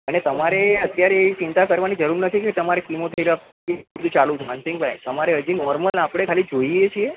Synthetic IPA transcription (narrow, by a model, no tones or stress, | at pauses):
ənet̪əmaɾeət̪jaɾeːt͡ʃɪnt̪akəɾʋanid͡ʒəɾuɾnət̪ʰiket̪əmaɾekimot̪ʰəiɾaa | iuɾd̪ʱut͡ʃalũt͡ʃʰnənsɪ̃ŋkbajt̪əmaɾeɦəd͡ʒinɔɾməlapɽ̃ekʰalid͡ʒoiet͡ʃʰie